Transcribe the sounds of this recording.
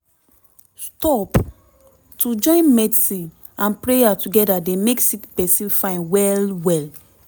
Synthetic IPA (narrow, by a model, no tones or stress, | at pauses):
stɔp | tud͡ʒɔ̃ɪ̃nmɛdsi | ãnpɹejatuɡɛdadɛ̃meksitpɛsifãɪ̃nwɛlwɛl